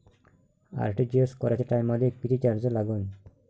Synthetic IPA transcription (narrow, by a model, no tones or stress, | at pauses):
a̰ɾʈid͡ʑeskɔɾat͡ɕʰeʈajmad̪ek̚pit̪ʰit͡ɕaɾd͡ʑelaɡɔn